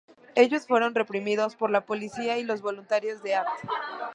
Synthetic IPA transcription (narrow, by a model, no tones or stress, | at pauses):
e̞ʝo̞sfwe̞ɾo̞nre̞pɾimiðo̞spo̞ɾlapo̞lisiailo̞zβo̞lunt̪aɾjo̞zðe̞aɾt̪e̥